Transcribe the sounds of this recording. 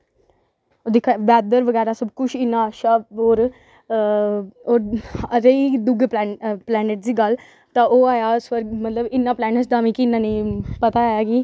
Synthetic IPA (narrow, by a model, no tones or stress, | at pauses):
od̪ɪkʰabɛːd̪əɾʋəɡɛːɾaːsəbkʊt͡ʃʰɪnːãːəʃaːɦoːɾ | oːɾɾeid̪ʊɡpːplɛːneʈ̚d̪iːɡəl | t̪ãːʔoːaːjaːsʋəɾɡmət̪ləbɪnːãːplɛːnəsd̪aːmĩːkɪnːãːnĩːpət̪aːaːjaːɡiː